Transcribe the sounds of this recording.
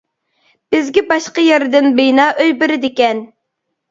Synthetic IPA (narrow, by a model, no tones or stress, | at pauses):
b̥ɪzɡʲɛbɑʃqɑjɛɾɪd̪ɪnbejnɑːʔøjbɪɾɪd̪ɪkʲɛn